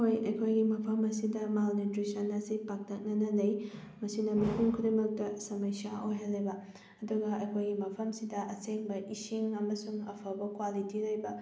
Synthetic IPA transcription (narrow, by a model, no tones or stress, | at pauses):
hojɐjkʰojɡimɐpʰɐmɐsidɐmalnitɾisɐnɐsipak̚tɐk̚nɐnɐnɐj | mɐsinɐmipʰuŋkʰudimɐk̚tɐsɐmɐjsaojɦalːɐjbɐ | ɐduɡɐɐjkʰojɡimɐpʰɐmsidɐʔɐseŋbɐʔisiŋɐmɐsuŋɐ̰pʰɐbɐkwalitilɐjbɐ